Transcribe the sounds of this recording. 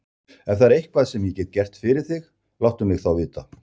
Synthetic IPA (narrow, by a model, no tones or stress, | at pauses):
ɛnθaðɾejhk̚pʰvaːðsɛmjɛcɛːt̪̚cɛr̥t̪fɪɾɪɾ̥θɪx | lawt̪ʏmlɪɣθawvɪːt̪a